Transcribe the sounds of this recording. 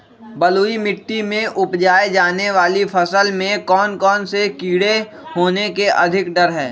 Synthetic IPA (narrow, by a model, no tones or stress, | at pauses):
bɐluːimɪʈːimẽʔʊpd͡ʒaːed͡ʒaːneʋaːlifʰɐsəlmẽkɔːnkɔːnsekiːɽe | ɦoːnekeʔɐ̰d̪ʱɪkɖɐɾɦɛː